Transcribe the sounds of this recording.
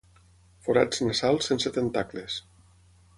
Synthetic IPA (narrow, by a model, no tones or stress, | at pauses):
foɾad͡znasalˠsenset̪ent̪akles